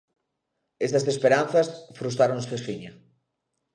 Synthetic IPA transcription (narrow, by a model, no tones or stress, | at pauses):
est̪ɐsespeɾanθɐsfɾust̪ɾaɾoŋsfesfiɲɐ